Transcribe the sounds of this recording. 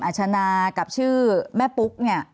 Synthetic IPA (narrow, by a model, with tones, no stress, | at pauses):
ʔaː˨˩t̚t͡ɕʰa˧naː˧ka˨˩p̚t͡ɕʰɯː˥˩mɛː˥˩pu˦˥k̚ni˥˩ɐ